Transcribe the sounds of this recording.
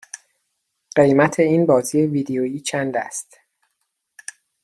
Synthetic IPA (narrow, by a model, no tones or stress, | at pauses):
ɢ̥ejmæt̪ʰe̞iːnbɒːziːjeviːd̪ejoːjiːt͡ʃʰænd̪æst̪